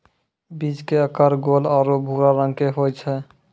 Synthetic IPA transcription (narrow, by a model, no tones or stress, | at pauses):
bid͡ʒkeəkəɾɡolɔɾobʱuɾaɾə̃ŋɡkeɦojt͡ʃʰɛ